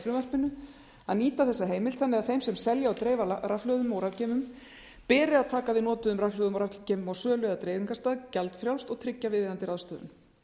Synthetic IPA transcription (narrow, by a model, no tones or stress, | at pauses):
fɾʏvɛr̥pɪnʏ | a̰ðniːt̪aθɛsːaɦeːjmɪlt̪θanːɪɣaðθejmsɛmsɛljaawt̪ɾeːjvaɾaflœːðʏmowɾavcɛːmʏm | pɛːɾɪaðt̪ʰaːkavɪðnɔːt̪ʏʏmraflœːðʏmawɾacceːmʏmawsœːlœðat̪ɾejvɪŋkast̪aːðcɛlt̪fɾjaw̪st̪ɔɣt̪ʰɾɪcːavɪðɪðant̪ɪɾaðst̪œːðʏ̰n